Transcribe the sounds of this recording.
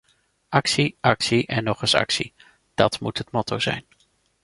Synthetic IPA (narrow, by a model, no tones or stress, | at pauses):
ʔɑksiʔɑksiʔɛnːɔχəsɑ̰ksḭ | d̥ɑtmutɦətmɔtʰowz̥ɛ̰jn